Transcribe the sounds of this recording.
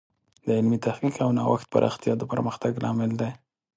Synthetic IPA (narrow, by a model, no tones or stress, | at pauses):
d̪əɪlmit̪ahkikawnɑwa̰xt̪̚pa̰ɾʔɑ̰xt̪ijɑd̪əpəɾməxt̪aɡlɑmɪld̪aj